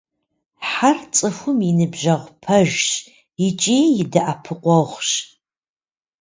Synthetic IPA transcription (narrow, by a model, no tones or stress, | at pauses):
ħart͡sʼɨxʷʊminɨbʒɐʁʷpʰɐʒɕ | ɪt͡ʃʼeːjɪdɐʔapʰɨqʷɔʁʷɕ